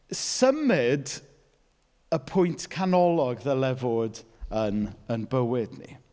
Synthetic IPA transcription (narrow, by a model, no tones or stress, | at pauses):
səmɪd | əpʰʊjntʰkʰanɔlˠɔɡðəlɛvoːdənənbəwɪdnḭ